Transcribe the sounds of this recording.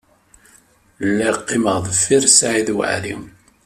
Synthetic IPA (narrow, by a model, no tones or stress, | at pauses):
lːæjqːiməʁðəfːiɾsʕiðw̰ʕɾḭm